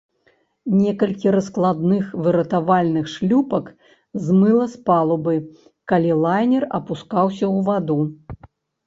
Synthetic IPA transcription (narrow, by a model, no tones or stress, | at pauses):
nʲɛkɐlʲkʲiɾɐsklˠad̪nɨxvɨɾɐt̪avalʲnɨxʂlʲupɐk | zmɨlˠɐspalˠubɨ | kalʲilˠajnʲɛrɐ̰puskawsʲɐwvad̪u